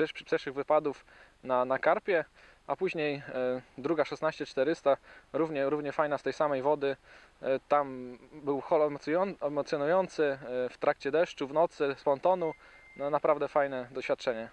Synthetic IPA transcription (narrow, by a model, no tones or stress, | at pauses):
pʂɛʂɘɣvɘpad̪uf | nanakaɾpʲjɛ | apuʑɲejd̪ɾuɡaʂɛsnaɕt͡ɕɛt͡ʂt̪ɛɾɘst̪aɾuvɲɛɾuvɲɛfajnast̪ɛjsamɛjvɔd̪ɘ | t̪ambɘwxɔlɔɛmɔɛmɔt̪sʲjɔnujɔnt̪sɘft̪ɾʔak̚t͡ɕɛd̪ɛʂt͡ʂuvnɔt̪sɘspɔnt̪ɔnu | nanapɾavd̪ɛfajnɛd̪ɔɕfʲjat̪̚t͡ʂɛɲɛ